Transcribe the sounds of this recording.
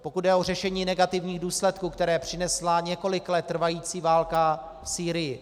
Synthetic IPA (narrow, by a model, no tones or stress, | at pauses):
po̞kut̪̚dɛor̝ɛʃɛɲiːnɛɡat̪ɪvɲiːɣduːslɛt̪kuːkt̪ɛɾɛːpr̝̥ɪnɛslaɲɛko̞lɪklɛt̪ːr̩vajiːt͡siːvaːlka | fsiːɾɪjɪ